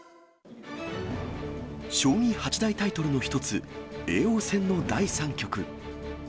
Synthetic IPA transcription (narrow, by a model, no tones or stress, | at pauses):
ɕo̞ːɲ̟ĩhat͡ɕid̪ait̪ait̪o̞ɾɯ̟no̞çi̥t̪o̞t͡sɨe̞ːo̞ːsẽ̞nːo̞d̪aisãŋkʲo̞kɯ̟